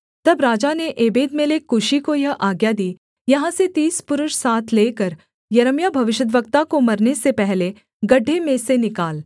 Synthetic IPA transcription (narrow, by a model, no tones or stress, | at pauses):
t̪ɐbɾaːd͡ʒaneʔeːbeːd̪melekʊʃikojɐʔaːɡjad̪iː | jɐɦãset̪iːspʊɾʊʃsaːt̪ʰleːkəɾ | jɐɾəmjabʱɐʋɪʃəd̪ʋəkt̪akomɐɾnesepɛɦle | ɡɐɖʱːemẽsenɪkaːl